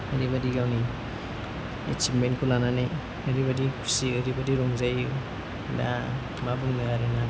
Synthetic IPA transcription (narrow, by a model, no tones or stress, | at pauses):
əɾibadiɡawni | ḛt͡ʃipmenkʰulananaj | aɾiβadikʰu̥siɯɾibadiɾɔŋzaju | da̰ | mabuŋnaɡaɾena